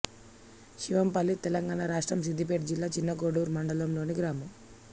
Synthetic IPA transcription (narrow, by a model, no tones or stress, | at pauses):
ʃiʋɐmpɐlːit̪ɛlɐŋɡaːnaɾaːʂʈɾɐmsid̪ʱːip̬eːʈd͡ʒilːaːt͡ʃinːɐɡoːɽuːɾmɐɳɖɐlɐmlo̞ːniɡɾaːmɐm